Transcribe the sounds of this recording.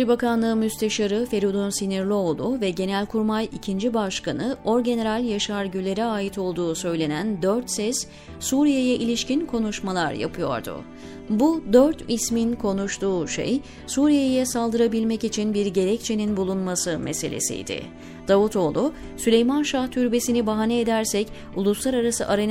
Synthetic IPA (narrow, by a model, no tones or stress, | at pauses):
ɾibakʰanlˠɯːmyst̪ʰeʃaɾɯfe̞ɾud̪unsiniɾlʲˠioːlˠuvɛɟe̞nælʲkʰuɾmajicʰind͡ʒibaʃkʰanɯo̞ɾɟe̞ne̞ɾalʲjaʃaɾɟylʲe̞ɾɛaːjit̪ʰo̞lˠd̪uːsø̞jlʲe̞nænd̪øɾt̪sɛs | suːɾijejɛʔilʲiʃcinkʰo̞nuʃmalˠaɾja̰pʰɯjo̞̰ɾd̪ʊ̰ | bud̪øɾt̪ʰisminkʰo̞nuʃt̪uːʃḛj | suːɾijejɛsalˠd̪ɯɾabilʲmɛcit͡ʃʰinbiɾɟe̞ɾɛc̚t͡ʃʰeninbulˠunmasɯmese̞̰lʲḛsḭjd̪̥ɪ̰ | d̪̥avut̪ʰo̞ːlˠu | sylʲe̞jmanʃaht̪ʰyɾbe̞sinibaɦanɛːd̪æɾsɛc | ulˠuslˠaɾaɾasɯʔaɾa